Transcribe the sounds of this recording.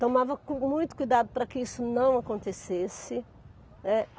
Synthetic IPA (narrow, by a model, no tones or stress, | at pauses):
t̪omavɐkõmũj̃t̪ʊ̥kujd̪ad̪ʊpɾɐkɪisʊnɐ̃w̃akõnt̪esesɪ | nɛ